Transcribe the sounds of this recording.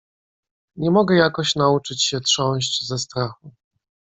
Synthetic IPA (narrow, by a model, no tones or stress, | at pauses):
ɲɛmɔɡɛjakɔɕnaut͡ʂɘt͡ɕɕɛtʂɔ̃w̃ɕt͡ɕzɛst̪ɾaxu